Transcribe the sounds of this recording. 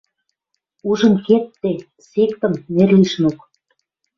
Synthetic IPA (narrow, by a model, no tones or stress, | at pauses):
uʒə̆nket̪ːe | sekt̪ə̆mnerliʃnuk